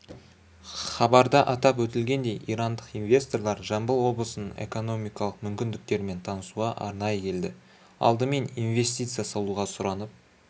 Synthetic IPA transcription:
χɑbɑɾd̪ɑʔɑt̪ɑpwɵt̪ɪlɡʲe̞nd̪e̞jḭjɾɑnd̪əqijnvʲe̞st̪o̞rlˠɑɾʒɑmbəlˠwo̞blˠəsənəɴe̞̰ko̞no̞mijkɑlˠəqmʏmkʲɪnd̪ɪk̚t̪e̞ɾme̞nt̪ʰɑnəsuʁɑʔɑ̰ɾnɑjəkʲʰe̞ld̪ɪ | ɑ̰lˠd̪əme̞nijnve̞st̪ijt̪sɨjasɑlˠuʁɑsʊɾɑnəp̚

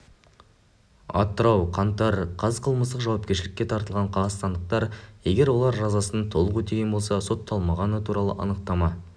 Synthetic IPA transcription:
ɑ̰t̪ːəɾɑwqʰɑnt̪ɑɾqʰɑzəqʰəlˠməst̪əqʒɑwɑp̚kʲe̞ɾʃɪlɪkʲːe̞t̪ʰɑɾt̪əlˠʁɑɴqʰɑʁɑst̪ɑnd̪əq̚t̪ɑɾje̞ɡʲe̞ɾwo̞lˠɑɾʒɑzɑsənət̪ʰo̞lˠəqɵt̪eɡʲenbo̞lˠsɑso̞t̪ʰːɑlˠmɑʁɑnət̪ʰuɾɑlˠə̰ʔɑ̰nəq̚t̪ɑmɑ

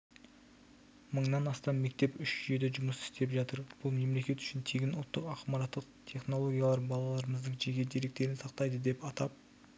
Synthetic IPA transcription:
məɴnɑnɑst̪ɑnme̞k̚t̪e̞pʏʃʒʏje̞d̪eʒʊməsɪ̥st̪e̞pʒɑt̪əɾb̥ʊlˠme̞mle̞kʲe̞t̪ʏ̥ʃɪnt̪ʰeɡʲɪnʊlˠt̪ːəqɑqmɑɾɑt̪ːəqt̪ʰe̞χno̞lˠo̞ɡʲijalˠɑɾbɑlˠɑlˠɑɾəməzd̪əɴʒekʲe̞d̪e̞ɾe̞k̚t̪e̞ɾɪnsɑqt̪ɑjd̪əd̪e̞pɑt̪ɑp̚

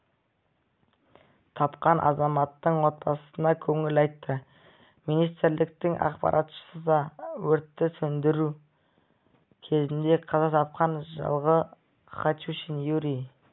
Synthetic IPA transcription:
t̪ʰɑpqɑnʔɑ̰zɑmɑt̪ːəɴwo̞t̪̚bɑsə̥sənɑkʲʰɵŋɪlɑjt̪ːə | minijst̪ɪɾlɪk̚t̪ɪŋʔɑ̰qpɑ̰ɾʔɑt̪ʃə̥səd̪ɑwɵɾt̪ːɪsɵnd̪ɪɾu | kʲʰe̞zɪnd̪e̞qʰɑzɑt̪ʰɑp̚qɑnʒɑ̰lˠʁə | χɑt͡ʃ̪uʃinjuɾi

